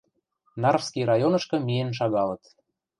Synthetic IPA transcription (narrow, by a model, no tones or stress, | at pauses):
nɑrfskiɾɑjonɤ̆ʃkɤ̆mienʃ̬ɑɣɑlə̆t̪